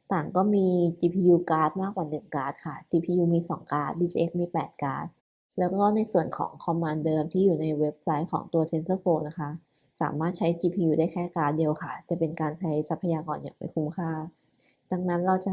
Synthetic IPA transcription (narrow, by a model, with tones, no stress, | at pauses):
t̪aː˨˩ŋkɔː˥˩miː˧t͡ɕiː˧pʰiː˧juː˧kaː˦˥t̪̚maː˥˩k̚waː˨˩nɯ˨˩ŋkaː˦˥t̪̚kʰa˥˩t͡ɕiː˧pʰiː˧juː˧miː˧sɔ̰ː˩˦ŋkaː˦˥t̪̚diː˧t͡ɕi˧ʔe˦˥k̚miː˧pɛː˨˩t̪̚kaː˦˥t̪̚ | lɛː˦˥wkɔː˥˩na˧jsu˨˩ənkʰɔ̰ː˩˦ŋkʰɔ˧mːaː˧ndɤː˧mt̪ʰiː˥˩juː˨˩na˧jwe˦˥p̚sa˦˥jkʰɔ̰ː˩˦ŋt̪u˧ɐt̪ʰe˦˥nsaː˥˩pʰoː˧na˦˥kʰa˦˥ | sa̰ː˩˦maː˥˩t̪̚t͡ɕʰa˦˥jt͡ɕiː˧pʰiː˧juː˧daː˥˩jkʰɛː˥˩kaː˦˥t̪̚di˧əwkʰa˥˩t͡ɕa˨˩pe˧nkaː˧nt͡ɕʰa˦˥jsa˧˦˥pʰːa˧jaː˧kɔː˧nja̰ː˨˩ŋma̰˧˩jkʰu˦˥mkʰaː˥˩ | da˧ŋna˦˥nɾa˧wt͡ɕa˨˩